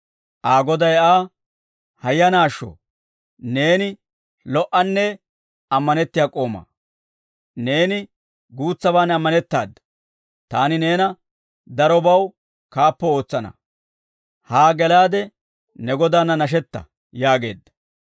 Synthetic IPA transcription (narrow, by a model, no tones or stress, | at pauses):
ʔaːɡɔd̪ɐjaː | hɐjːɐnaːʃːɔ̰ | ne̞ːnɪ | lɔʔɐnːɛ | ɐmːɐnɛt̪ːɪjaːkʼo̞ːmɐ̰ː | ne̞ːnɪ | ɡuːt͡sːɐbaːnɐmːɐnɛt̪ːaːd̪ | t̪aːnɪne̞ːnɐ | d̪ɐɾɔbɐw | kaːpːɔo̞ːt͡sːɐnɐ̰ | haːɡɛlaːd̪ɛ | nɛɡɔd̪aːnɐnɐʃ̬ɛt̪ːɐ̰ | jaːɡe̞ːd̪ːɐ̥